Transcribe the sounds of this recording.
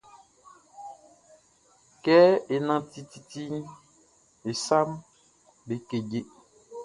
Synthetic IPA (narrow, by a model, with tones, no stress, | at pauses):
kɛ˦e˨nã˦ti˦t̪i˨ti˦ | e˨sa˦m | be˨ke˨ɟe˨